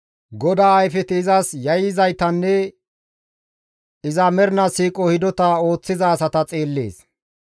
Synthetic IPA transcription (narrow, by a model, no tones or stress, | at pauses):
ɡɔd̪aːɐjfɛt̪ɪːzɐsjɐjɪzɐjt̪ɐnːɛ | ɪzɐmɛɾnɐsiːkʼɔhɪd̪ɔt̪ɐo̞ːt͡sːɪzɐːsɐt̪ɐt͡sʼeːlːḛːs